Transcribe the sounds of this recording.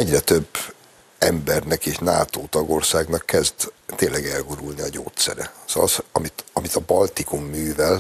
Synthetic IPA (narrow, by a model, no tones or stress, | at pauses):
ɛɟrɛt̪ø̞bː | ɛmbɛrnɛkeːʃna̰ːt̪oːt̪ɒɡo̞rsaːɡnɒkːɛzd̪t̪ːeːnlːɛɡɛlɡuɾulniɒɟo̰ːt̪sɛ̰ɾɛz̥ɒsɒmit̪ɒmit̪ɒbɒlt̪ikumːyːvɛl